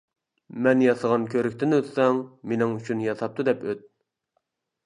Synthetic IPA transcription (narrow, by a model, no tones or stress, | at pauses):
mɛnjɑsəʁɑnkʲʰøɾykʲt̪ɪnøt̪sɛŋmenɪŋyt͡ʃʰynjɑsɑp̚t̪ud̪ɛpøt̪̚